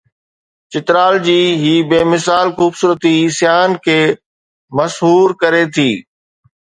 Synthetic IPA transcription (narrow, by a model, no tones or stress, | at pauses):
t͡ɕɪt̪ɾaːld͡ʑiːɦiːbeːmɪsaːlxuːbsuːɾət̪isjaːnkʰeː | mɐsɦuːɾkɐɾet̪ʰiː